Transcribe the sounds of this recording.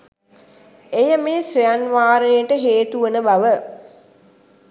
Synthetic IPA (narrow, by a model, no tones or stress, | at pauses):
ejəmeːsʋejanʋaːɾənejəʈəɦeːt̪uʋənəbaʋə